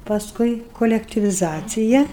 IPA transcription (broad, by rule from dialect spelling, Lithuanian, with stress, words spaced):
pɐsˈkʊɪ koːlʲɛktʲɪʋʲɪˈzɑːt͡sʲɪjɛ